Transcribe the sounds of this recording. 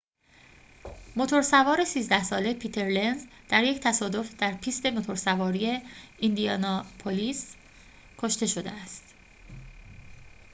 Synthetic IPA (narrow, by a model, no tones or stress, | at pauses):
mo̞t̪ʰo̞ɾsævɒːɾe̞siːzd̪æhsɒːle̞pʰiːt̪ʰe̞ɾlenzd̪̥æɾje̞ct̪ʰæsɒːd̪o̞fd̪̥æɾpʰiːst̪e̞mot̪ʰo̞ɾsævɒːɾijeind̪iɒnɒpʰoliːs | kʰo̞ʃt̪e̞ʃo̞d̪eæst̪